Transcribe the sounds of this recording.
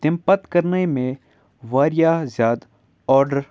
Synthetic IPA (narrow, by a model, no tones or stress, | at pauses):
t̪ɪ̃mpət̪kɐɾnemẽ | ʋaːɾɪjaːzjaːd̪ | ɔːɾɖəɾ